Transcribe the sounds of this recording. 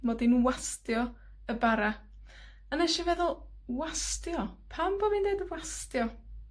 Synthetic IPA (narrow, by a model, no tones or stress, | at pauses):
mɔdinwastjɔ | əbaɾa | ənɛʃavɛðʊlˠ | wastjɔpʰambomindejdwastjɔ